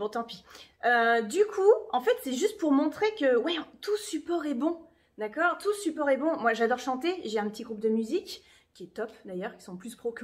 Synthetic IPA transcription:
bɔ̃t̪ɑ̃piød̪ykʰuɑ̃fɛt̪sɛʒyst̪̚puʁmɔ̃t̪χekəwɛ̃t̪usypɔʁɛbɔ̃ | d̪akɔːʁt̪usypɔʁɛbɔ̃mwaʒad̪ɔʁʃɑ̃t̪eʒɛɛ̃pət̪iɡʁup̚d̪əmyzikʲː | iɛt̪ɔpd̪ajœʁkisɔ̃plyspχokʲ

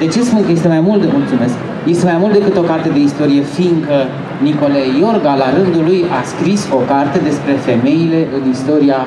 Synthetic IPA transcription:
d̪e̞t͡ʃe̞spunkəje̞st̪e̞majmult̪d̪emult̪sume̞sk | je̞st̪e̞majmult̪̚d̪e̞kɨt̪o̞kart̪ed̪e̞ist̪o̞ɾije̞fiŋkə | niko̞le̞jo̞rɡalaɾɨnd̪ulujaskɾiso̞kart̪e̞d̪e̞spɾe̞fe̞me̞ile̞ʔɨnist̪o̞ɾia

